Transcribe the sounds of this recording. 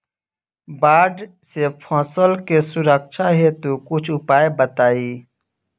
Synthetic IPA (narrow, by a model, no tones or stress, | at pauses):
baːɖ | sepʰɔ̃ːsəlkesʊɾəkʃaɦɛt̪okʊt͡ʃʰʊpaːebət̪aːiː